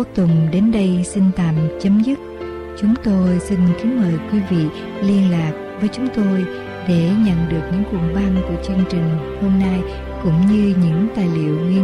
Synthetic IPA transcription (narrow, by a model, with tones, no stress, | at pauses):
t̪ʊ˧˨ŋ͡mɗe˨˦nɗə˧jsi˧nt̪a̰ː˧˨mt͡ɕə˨˦mzɨ˦˥t̚ | t͡ɕʊ˨˦ŋ͡mt̪o˧jsi˧nki˨˦nməː˨˩jkwi˨˦vḭ˧˨ | li˧ənlaː˨˩k̚vəː˨˦jt͡ɕʊ˨˦ŋ͡mt̪o˧j | ɗe˧˩ɲə̰˧˨nɗɨ˨˩ək̚ɲɨ̰˧˥ŋkwṵ˨˩nɓa˧ŋku˧˩ət͡ɕɨ˧əŋt͡ɕï˨˩ŋ̟ho˧mna˧j | kʊ̰˧˥ŋ͡mɲɨ˧ɲɨ̰˧˥ŋt̪aː˨˩jlḭ˧˨əwŋi˧